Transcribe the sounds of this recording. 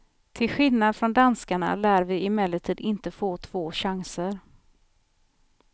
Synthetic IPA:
t̪ʰɪlɧɪlnad̪fɾɔnd̪anskaɳa̰læːɾvɪɪmɛːləʈʰiːd̪ɪnt̪əfoːt̪ʰv̥oːɕaŋsəɾ

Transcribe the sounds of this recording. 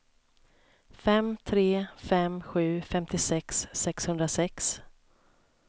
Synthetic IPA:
fɛmt̪ʰɾeːfɛmɧʉ̟ːfɛmt̪ɪsɛksːɛkshɵnd̪ɾasɛks

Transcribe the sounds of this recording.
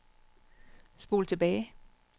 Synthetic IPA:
sb̥o̝ːlt͡sʰe̝b̥ɛːɪ

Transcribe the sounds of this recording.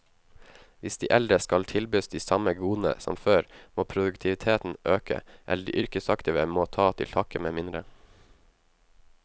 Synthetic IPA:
ʋɪsd̪iːʔɛlɾəskɑlt̪ʰɪlbøːsd̪iːsɑməɡuːn̩ə̰sɔ̰mføːɾmoːpʰɾʊd̪ʉkt̪ʰɪʋɪt̪ʰeːt̪n̩ʔøːkə̰ʔɛ̰ləɖḭːʔʏɾkəsɑkt̪ɪʋəmoːt̪ʰɑːt̪ʰɪ̰lt̪ʰɑːkəmeːmɪnd̪ɾə

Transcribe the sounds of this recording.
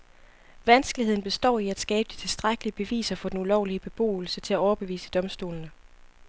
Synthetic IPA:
ʋænsɡ̥əliheð̰ˠn̩b̥e̝sd̥ɒ̰ːiæd̥sɡ̥ɛːb̥əd̥i̥t͡sʰe̝lsd̥ʁaɡ̥əliəb̥e̝ʋḭːsɐfɒ̽d̥enulɒʊliəb̥e̝b̥o̝̰ːl̩sət͡sʰe̝læɒʊɐb̥e̝ʋḭːsəd̥ɒ̽msd̥o̝ːlnə

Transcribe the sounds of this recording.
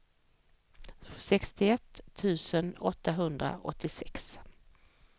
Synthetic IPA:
sɛkst̪ɪɛt̪ʰːʉ̟ːsənɔt̪ʰːaɦɵnd̪ɾa̰ɔ̰t̪ʰːɪsɛks

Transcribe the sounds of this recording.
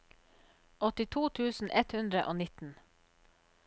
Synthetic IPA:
ɔt̪ɪt̪ʰuːt̪ʰʉːsn̩ʔɛt̪hʉnd̪ɾəʔoːnɪt̪n̩

